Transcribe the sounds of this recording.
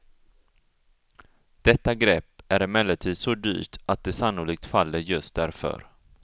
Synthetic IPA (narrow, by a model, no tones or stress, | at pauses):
d̪̥ɛt̪ːaɡɾɛpːæɾɪmɛlːəʈʰiːd̪sɔd̪y̰ːʈat̪̚d̪ɛsanːʊlik̚t̪falːəɾjɵst̪̚d̪æɾfœ̰ɾ